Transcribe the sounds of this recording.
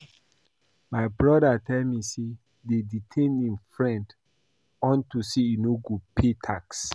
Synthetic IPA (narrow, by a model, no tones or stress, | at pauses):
maɪbɹɔdatʰɛlmise | deditʰẽnĩnfɹɛ̃nd | ɔ̃ntuseinoɡopʰetʰaks